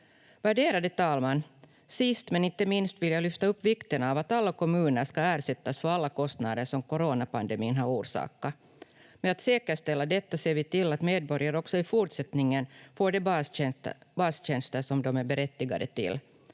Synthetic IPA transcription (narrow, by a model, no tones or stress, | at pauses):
væɖeːɾad̪ət̪ʰɑːlmanː | sɪst̪mɛnɪnt̪ːəmɪnst̪vɪljaːlʏft̪aɵpːvɪkt̪ənavat̪alːakʰɔmʉ̟ːnəɾʂkaæːɾʂɛt̪ːasfœɾalːakʰɔst̪nad̪əʂɔmkɔɾoːnapand̪ɛmiːnɦaɾuːɾʂɑ̰ːka | mɛat̪seːkəʂt̪ɛlːad̪ɛt̪ːaseːɾvɪt̪ɪlːat̪meːd̪̚bɔɾjaɾəɔksɔɪfuːʈʂɛt̪nɪŋːənfoːɖɛ | bɑsɕɛnst̪əʂɔmd̪ɔmæɾbɛɾɛt̪ːɪɡa̰d̪ə̰t̪ɪ̰lː